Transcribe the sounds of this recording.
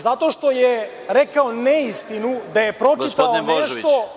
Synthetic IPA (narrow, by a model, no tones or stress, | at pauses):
zat̪oʃt̪oje | ɾekaoneist̪inud̪ajepɾot͡ʃit̪aoneʃt̪o